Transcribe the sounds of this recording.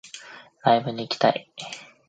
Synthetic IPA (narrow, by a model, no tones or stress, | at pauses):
ɾaibɯ̟ɲ̟iːkʲi̥t̪a̰i